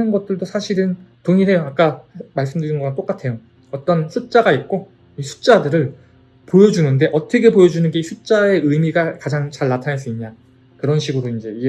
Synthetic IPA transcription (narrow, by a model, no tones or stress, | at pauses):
ɯnɡʌt̚t͈ɯɭdosʰaɕʰiɾɯntoŋiɦe̞joak͈amaɭs͈ɯmdɯɾinɡʌŋant͈ok͈atʰe̞jo | ʌt͈ʌnsʰut̚t͡ɕ͈aɡait̚k͈o | isʰu̥t͡ɕ͈adɯɾɯɭ | pojʌd͡ʑunɯnde̞ʔʌtʰʌkʰe̞pojʌd͡ʑunɯnɡe̞isʰut͡ɕ͈ae̞ɯjmiɡakad͡ʑaŋt͡ɕaɭːatʰanaɭs͈uiɲɲa | kɯɾʌnɕʰiɡɯɾoind͡ʑe̞i